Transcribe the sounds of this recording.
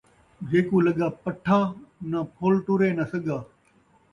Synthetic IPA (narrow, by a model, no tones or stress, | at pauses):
d͡ʒeːkuːlɐɠaːpəʈʰaːnapʰoːlʈʊɾeːnɐsɐɠaː